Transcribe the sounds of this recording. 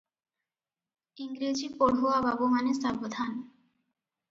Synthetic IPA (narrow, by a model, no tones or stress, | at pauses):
iŋɡɾid͡ʑipoɽɦuababumanesabod̪ʱan